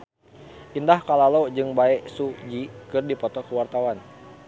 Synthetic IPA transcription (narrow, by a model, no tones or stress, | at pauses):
ʔindahkalalod͡ʒɨŋbaɛsud͡ʒikɨrdipɔt̪ɔkəwart̪awan